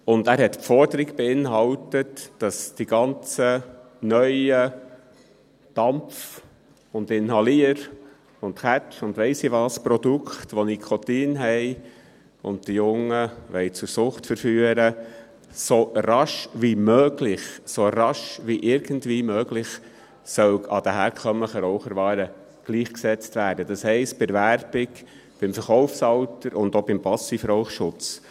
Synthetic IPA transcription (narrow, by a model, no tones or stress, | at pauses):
ʊndæːɾɦɛtpfɔɾdəɾiɡb̥ɛɪnɦɑwtətd̥ɑsd̥iɡ̥ɑnt͡sə | nœʏə | d̥ɑmf | ʊndɪnɦɑliəɾ | ʊntχæt͡ʃʊndʋɛɪsiʋɑːspɾɔd̥ukχtʋonikʰɔtiːnɦɛɪ | ʊ̰nd̚d̥ijʊŋːəʋɛɪt͡sʊɾsʊχtfəɾfyːəɾə | soɾɑʃʋimøːɡlɪχsoɾɑʃʋiʔɪɾɡ̥əndʋiːmøːɡlɪχ | sœwɑd̥əɦæːɾkʰœmləχəɾɔʊχəɾʋɑːɾə | ɡ̥liːχksɛt͡stʋæːɾd̥əd̥ɑshɛɪst̚b̥ɛɾvæɾb̥ɪɡ | b̥ɪmfəɾχɔʊfsɑwtəɾʔʊndob̥ɪmpɑsifɾɔʊχʃʊt͡s